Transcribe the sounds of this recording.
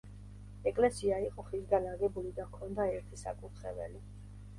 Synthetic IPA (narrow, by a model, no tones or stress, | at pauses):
ɛkʼlɛsiaiqʼɔχizɡanaɡɛbulid̪akʰɔnd̪aɛɾt̪ʰisa̰kʼut̪ʰχɛvɛ̰li